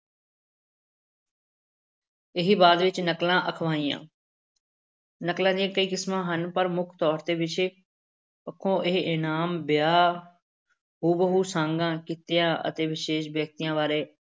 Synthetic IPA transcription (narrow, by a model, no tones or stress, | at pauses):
ɪɦiːbaːd̪ʋɪt͡ʃnəklãːʔəkʰʋaːĩːã̰ː | nəklãːd̪ijãːkəiːkɪsmãːɦənpəɾmʊkʰt̪ɔːɾt̪eːʋɪt͡ʃeː | pəkʰːõːʔɪɦʔɪnaːmbjaː | huːbəɦuːsãːŋɡãːkit̪ɪjãːʔə̰t̪eːʋɪʃeːʃbjək̚t̪ijãːʋaːɾeː